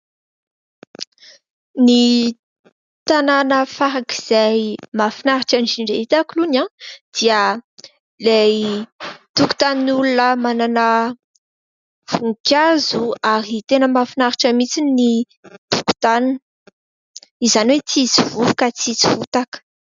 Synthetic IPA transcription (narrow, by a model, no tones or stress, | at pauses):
ni | t̪ananəfaɾaki̥z̥ajmafinaɾiʈ͡ʂand͡ʒiɳɖ͡ʐeit̪akulunad̪̥iə | lej | t̪uku̥t̪aninulunəmananə | v̥uŋkʲazuaɾit̪enəmafinaɾiʈ͡ʂəmit͡sini | t̪uku̥t̪anin | izaniwet͡sizivuukat͡sizivut̪akə̥